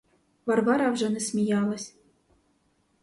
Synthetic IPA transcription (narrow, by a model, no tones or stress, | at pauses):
vɑrvɑɾɑvʒɤ̆nʲɘ̆sʲmʲijɑlˠɤ̆sʲ